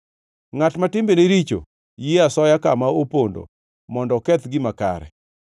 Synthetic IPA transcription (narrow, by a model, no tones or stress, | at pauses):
ŋatmatɪmbeneɾit͡ʃo̰ | jiasɔjakamaopondo̰ | mɔndɔkɛt̪ɡɪmaka̰ɾɛ̰